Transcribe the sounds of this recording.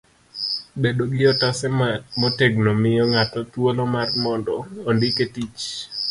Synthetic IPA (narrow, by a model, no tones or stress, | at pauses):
bedoɡɪɔtasɛmɔteɡnomɪjɔŋatɔt̪wolɔmarmɔndɔːndɪketit͡ʃ